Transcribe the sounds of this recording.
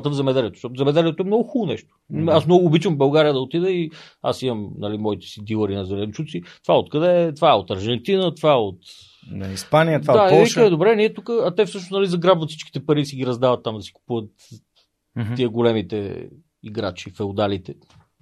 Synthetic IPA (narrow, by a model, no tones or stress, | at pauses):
t̪əvzɛmɛd̪ɛliɛt̪o̥sʃɔt̪zɛmɛd̪ɛliɛt̪oɛmnɔɡʊxulˠonɛʃt̪o̥asmnɔɡʊːbit͡ʃvəmbɐlˠɡaɾijəd̪ɐot̪id̪ɛi | a̰simɐmnɐlimɔit̪ɛ̥sid̪ilˠəɾinɐzɛlɛnt͡ʃut̪sit̪ovaɛot̪kɐd̪ɛt̪vaɛot̪ɐɾʒɛnt̪inət̪vaɛot̪ | nɐ̰ispanijət̪vad̪aɛviʃkəmɛd̪obɾɛniɛt̪ukəːt̪ɛfsɤʃ̬nosnɐlizɐɡɾabvət̪si̥t͡ʃki̥t̪ɛpɐɾisiɡiɾɐzd̪avɐt̪ːamd̪ɐsi̥ku̥puvət̪ | iəɡolɛmit̪ɛ̰ | iɡɾa̰t͡ʃifɛod̪alit̪ɛ